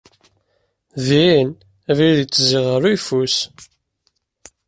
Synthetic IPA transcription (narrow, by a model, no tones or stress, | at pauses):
ðin | æviðit͡sːziʁəɾujfus